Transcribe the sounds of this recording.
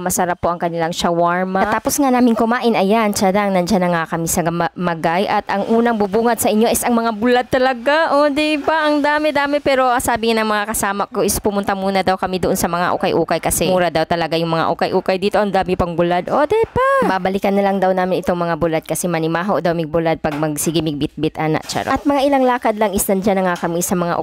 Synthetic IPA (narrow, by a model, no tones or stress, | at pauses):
mɐsɐɾapːoʔɐŋkɐnɪlaŋʃawaɹmaɐt̪aːposŋanaːmɪnkʊmaːʔɪnʔɐjant͡ʃalaŋnɐnd͡ʒanɐŋakɐmisɐɡɐmamɐɡajʔɐt̪ʔɐŋʔuːnɐŋbubuːŋɐd̪̚sɐʔɪɲjoʔɪsɐŋmɐŋabʊlad̪̚t̪ɐlɐɡaʔod̪ɪbɐʔɐŋd̪aːmɛd̪aːmɪpɛːɾo̞ʔasaːbɪŋanɐŋmɐŋakɐsaːmɐkoʔɪspʊmʊnt̪ɐmuːnɐd̪awkɐmid̪oʔo̞nsɐmɐŋa̰ʔo̰kɐjʔuːkɐjkɐsɛmuːɾɐd̪awt̪ɐlɐɡajʊŋmɐŋa̰ʔukɐjʔuːkɐjd̪iːt̪o̞ʔɐŋd̪aːmɪpɐŋbʊlad̪ʔod̪ɛpababɐlɪkɐnːɐlaŋd̪awnaːmɪnʔɪt̪o̞ŋmɐŋabʊlad̪̚kɐsɛmɐnɪmaːɦod̪awmɪɡ̚bʊlad̪̚pɐɡ̚mɐɡsɪɡɪmɪɡ̚bɪt̪̚bɪt̪ʔaːna̰ʔt͡ʃa̰ɾ̰ʔɐt̪̚mɐŋaʔɪlaŋlaːkɐd̪lɐŋʔɪsnɐnd͡ʒanɐŋakɐmisɐmɐŋa̰ʔ